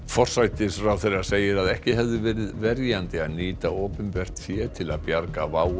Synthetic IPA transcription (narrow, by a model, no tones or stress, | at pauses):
fɔr̥sajt̪ɪsɾawθɛɾḁseːjɪɾaðɛhcɪɦɛvðɪvɛːɾɪðvɛɾjant̪ɪaðniːt̪aoːpʏnpɛr̥t̪fjɛːt̪ʰɪlaðpjaɾkavaːw